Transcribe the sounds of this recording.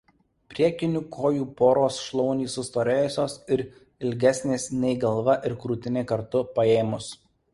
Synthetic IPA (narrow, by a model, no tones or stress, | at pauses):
pʲɾʲiɛkʲɪnʲʊkʰoːjuːpoːɾoːsʃlˠɔʊnʲiːsːʊst̪oːɾʲeːjʊsʲoːsɪɾ | ɪlʲɡʲɛsʲnʲeːsnʲɛɪɡɐlˠʋɐʔɪɾkɾuːt̪ʲɪnʲeːkɐɾt̪ʊpɐeːmʊs